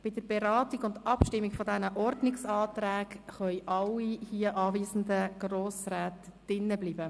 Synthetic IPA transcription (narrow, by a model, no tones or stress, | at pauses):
b̥ɪdəɾb̥ɛɾɑːtiɡʊndɑpʃtɪmːiɡfɔdɛnəʔɔɾdnɪksɑːt̪ɾæːkχœʏʔɑlːihiəʔɑːviːzn̩dəɡ̥roːsræːtd̥ɪnːəbliːbə